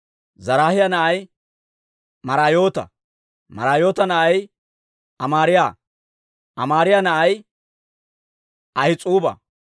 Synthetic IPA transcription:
zɐɾaːhɪjanɐʔɐj | mɐɾaːjo̞ːt̪ɐ̰ | mɐ̰ɾaːjo̞ːt̪ɐnɐʔɐj | ʔɐmaːɾɪja | ʔɐmaːɾɪjanɐʔɐj | ʔɐhɪt͡sʼuːbɐ̰

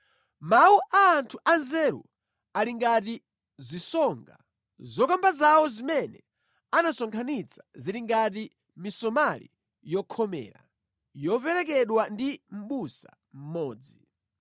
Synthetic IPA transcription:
mauʔaːntʰuʔanzɛɾṵ | aliŋɡat̬i | zisɔŋɡa̰ | zɔkambazawɔzimɛnɛ̰ | anasɔŋkʰanit͡sʰḁziɾiŋɡat̬i | misɔmalḭ | jɔkʰɔmɛ̰ːɾa̰ | jɔpɛɾɛkɛɗwandim̩ɓusa̰ | m̩mɔːd͡zi

